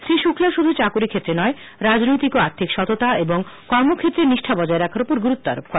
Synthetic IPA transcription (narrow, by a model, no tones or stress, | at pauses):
ʃɾiʃukʰlaʃod̪ʱut͡ɕakuɾikʰet̪ːɾenɔe | ɾad͡ʑnojt̪ikoaɾt̪ʰikʃɔt̪ot̪aeboŋkɔɾmokʰet̪ːɾeniʃʈʰabɔd͡ʑaeɾɛkʰaɾopoɾɡuɾut̪ːoa̰ɾop̚kɔe